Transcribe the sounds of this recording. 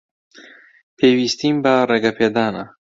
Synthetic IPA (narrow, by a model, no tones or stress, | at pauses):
pʰeːwiːst̪iːmbɐɾɐɡɐpʰeːd̪aːnɐ